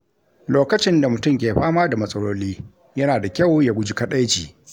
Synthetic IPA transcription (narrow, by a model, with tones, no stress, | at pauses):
loː˦kɐ˦t͡ʃɪ˦nda˨mʊ˨tʊ˦mkʲeː˨ɸaː˦maː˦da˨mɐ˨sʼɐ˦ɽoː˦liː˦ | jɐ˦naː˨da˨kʲa˦˨wja˦ɡʷʊ˦d͡ʒi˦kɐ˦ɗa˦jt͡ʃiː˨